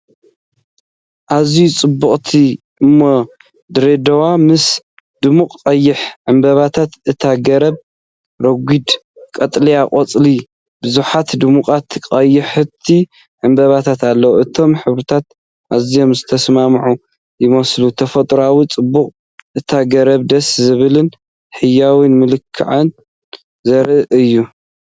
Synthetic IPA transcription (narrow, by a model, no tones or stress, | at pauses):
ʔazijut͡sʼɨbːuχʼt̪ʰi | ʔɨmːo | d̪ɨɾed̪ɐwamɨs | d̪̥ɨmukːʼɐjːɪħʕɨmbɐβat̪ʰat̪ʔɨt̪ʰaɡɐɾɐb̚ | ɾɐɡʷid̪ | kʼɐt̪ʼlijaqʼɐt͡sʼli | bɨzuħat̪d̪ɨmukʼat̪kʼɐjːɪħɨt̪ʰi | ʕɨmbɐβat̪ʰat̪alːɐwuʔɨt̪ʰo̞mħɨβɾɨt̪ʰat̪̚ | ʔazijo̞mzɨt̪ʰɐsmamʕu | jɪmɐslut̪ʰɐfɐt̪ʼɾawit͡sʼɨbːuqʼ | ʔɨt̪ʰaɡɐɾɐβd̪ɐszɨβɨlɨn | ħɨjːawinmɨlɨkʰːɨ̰ʕɐn | zɐɾɨʔɨjːu